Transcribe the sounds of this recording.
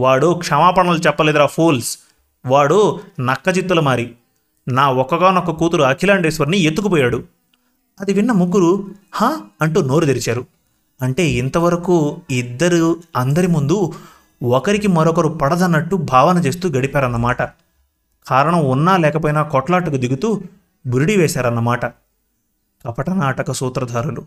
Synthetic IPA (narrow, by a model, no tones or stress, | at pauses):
ʋaːɽukʂɐmaːpɐɳɐlut͡ʃɛpːɐleːd̪uɾaːpʰuːls | ʋaːɽunɐkːɐt͡ʃit̪ːulɐmaːɾi | naːɔkːɐɡaːnɐkːɐkuːt̪uɾuɐkʰilaːɳɖeːsʋɐɾniet̪ːukupɔːjaːɽu | ɐd̪iʋinːɐmuɡːuɾuhaːɐɳʈuːno̞ːɾud̪eɾit͡ʃaːɾu | ɐɳʈe̞ːint̪ɐʋɐɾɐkuːid̪ːɐɾuɐnd̪ɐɾimund̪u | ɔkɐɾikimɐɾɔkɐɾupɐɽɐd̪ɐnːɐʈːubʱaːʋɐnɐt͡ʃe̞ːst̪uːɡɐɽipaːɾɐnːɐmaːʈɐ | kʰaːɾɐɳɐmunːaːlɛːkɐpoːjinaːkɔʈlaːʈːukud̪iɡut̪uː | buɾuɽiʋɛːsaːɾɐnːɐmaːʈɐ | kɐpɐʈɐnaːʈɐkɐsuːt̪ɾɐd̪ʱaːɾulu